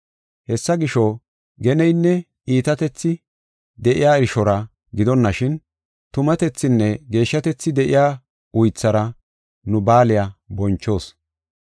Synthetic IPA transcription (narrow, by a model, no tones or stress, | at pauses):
hɛsːɐɡɪʃo | ɡɛnɛjnːɛ | iːt̪ɐt̪ɛt͡sːɪ | d̪ɛʔɪjaːɛɾɪʃɔɾɐ | ɡɪd̪ɔnːɐʃɪn | t̪ʊmɐt̪ɛt͡sːɪnːɛɡe̞ːʃːɐt̪ɛt͡sːɪd̪ɛʔɪjaː | ʊjt͡sːɐɾɐ | nʊbaːlɪjabɔnt͡ʃːo̞ːs